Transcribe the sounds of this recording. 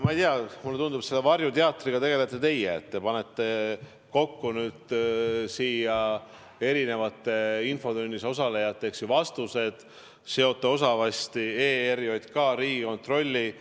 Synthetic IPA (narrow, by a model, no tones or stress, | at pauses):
mɑejt̪iɑmulːeund̪ubse̞lːe̞vɑrjut̪eɑt̪ːˑriɡ̥ɑt̪e̞ɡe̞let̪ːˑe̞t̪e̞jeet̪ːepɑne̞t̪ːe̞ | ko̞kːunyːd̪̥siːjɑ | e̞ɾine̞vɑt̪ːˑe̞info̞d̪unʲːiso̞s̬ɑle̞jɑt̪ːˑeeksivɑst̪use̞d̪̥ | se̞o̞t̪ˑːeo̞sɑvɑst̪ie̞ːeɾjo̞d̪kɑːɾiːɡiko̞nt̪ro̞lʲːi